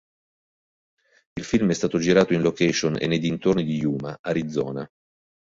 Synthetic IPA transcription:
ilfilmɛst̪aːt̪od͡ʒiɾaːt̪oinlokɛʃonḛnːejd̪int̪ornid̪ijuːmaʔaɾid̪zːɔ̰ːna

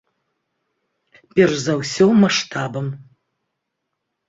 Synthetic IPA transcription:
pʲɛrʂzɐwsʲɔmaʂt̪ʰabɐm

